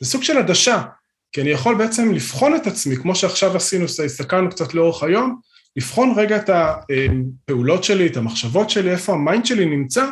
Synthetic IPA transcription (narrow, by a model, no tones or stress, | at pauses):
zesuɡʃe̞ladaʃa | kianijaχo̞lbeet͡se̞mlifχo̞ne̞tat͡smikmo̞ʃe̞aχʃavasinussakanukt͡satleo̞eχajo̞m | lifχo̞nʁe̞ɡaetaempe̞ulo̞tʃe̞lietamaχʃavo̞tʃe̞lie̞fo̞amainʃe̞linimt͡sa